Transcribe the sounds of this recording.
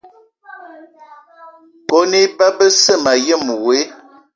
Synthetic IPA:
ko˦ne˦ba˦bə˦sə˦˨ma˨jə˦˨mu˨we˨˦

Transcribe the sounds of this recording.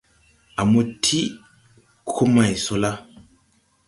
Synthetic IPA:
a˨mo˨tʰi˦ | kʰo˦ma˨jso˦la˦

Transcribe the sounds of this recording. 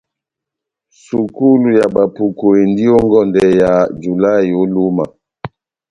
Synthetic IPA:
su˨ku˦lu˨ja˨ba˨pu˨ko˨e˨ndi˦o˦ŋɡɔ˦˨ndɛ˨ja˨d͡ʒu˨la˦˨i˨o˦lu˦ma˨

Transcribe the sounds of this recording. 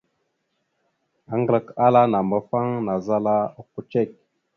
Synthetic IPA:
a˨ŋɡlə˨ka˦la˦na˨mba˨fa˦ŋna˨za˦la˦˨ku˦t͡ʃe˦˨k̚

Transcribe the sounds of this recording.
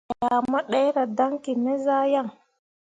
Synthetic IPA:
ja˨ma˦ɗa˦jɾa˨da˦ŋki˨me˦za˦ja˦˨ŋ

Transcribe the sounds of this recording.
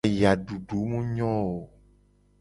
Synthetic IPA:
ja˨ɖu˨ɖu˨˦mũ˦ɲɔ̃˦wo˨

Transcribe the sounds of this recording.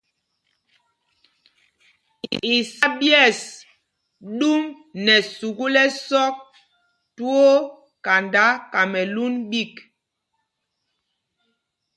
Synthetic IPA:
i˨sa˦bjɛ˦˨s | ɗu˦m | nɛ˨su˨ɡu˦lɛ˦sɔ˦k̚ | tu˦o˦ | ka˨nda˦ka˨mɛ˨lu˦nɓi˦˨k

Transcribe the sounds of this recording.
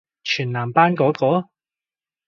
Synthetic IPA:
t͡ʃʰyː˨˩nlaː˨˩mpaː˥nkɔː˨˥kɔː˨˥

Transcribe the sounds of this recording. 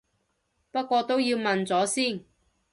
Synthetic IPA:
pɐ˥t̚kʷɔː˧t̪o˥wjiː˧wmɐ˨nt͡sɔː˨˥siː˥˩n

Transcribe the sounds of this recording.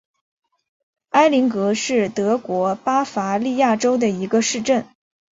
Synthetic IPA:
a˥ɪli˧˥ŋkɤ˧˥ʂɻ̩˥˩t̪ɤ˧˥kwɔ˧˥pa˥fa˧˥li˥˧ja˥˩ʈ͡ʂo˥ʊd̪ə˨i˧˥ɡə˧ʂɻ̩˥˧ʈ͡ʂə˥˩n

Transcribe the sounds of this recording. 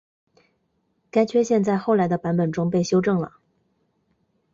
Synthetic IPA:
ka˥ɪt͡ɕʰɥɛ˥ɕjɛ˥˧nt͡sa˥˧ɪxo˥˩ʊla˧˥ɪd̪ə˧pa˧˥npə˨˩nʈ͡ʂʊ˥ŋpe˥˩ɪɕjo˥ʊʈ͡ʂɤ˥˩ŋlə̰˩

